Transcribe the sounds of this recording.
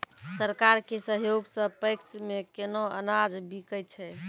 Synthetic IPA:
səɾkaɾkesəɦjoɡsə̃pəjksmekenoə̰nad͡ʒbikəjt͡ʃʰɛ

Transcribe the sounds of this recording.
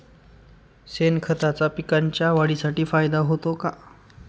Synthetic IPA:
senkʰət̪at͡sapikaɲt͡ɕjaʋaɽisaʈiːfajd̪aɦot̪oka

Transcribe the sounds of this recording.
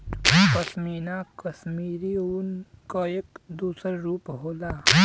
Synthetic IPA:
kəsmiːnakəsmiːɾiunkaeːkd̪uːsəɾɾuːpɦoːlaː

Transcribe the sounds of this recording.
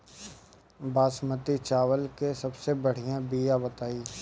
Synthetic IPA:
baːsmət̪it͡ʃaːʋəlkesɐbsebɐɽ̤ijãbijabət̪aːiː

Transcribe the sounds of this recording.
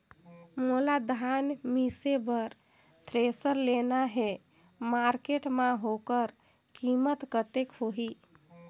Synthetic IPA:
molad̪ʱanmisebəɾ | t̪ʰɾesəɾlenaɦe | maɾkeʈmãɦokəɾ | kimət̪kət̪ekɦoɦi

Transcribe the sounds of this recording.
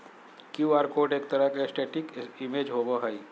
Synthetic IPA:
kjuːaːɾkoːʈeːk̚t̪əɾəkesʈeːʈɪkɪmeːd͡ʒɦoɡoɦai

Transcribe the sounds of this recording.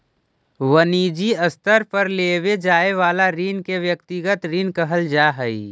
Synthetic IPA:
ʋəniːd͡ʒiəst̪ʰəɾpəɾleːwed͡ʒaːeʋaːlaɾiːnkeʋjəkt̪iɡət̪ɾiːnkəɦəld͡ʒaːɦəi

